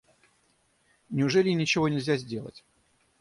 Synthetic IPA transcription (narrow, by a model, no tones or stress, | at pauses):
nʲɪʊʐɛlʲɪnʲɪt͡ɕɪvo̞nʲɪlʲzʲazʲdʲe̞lˠə̰tʲ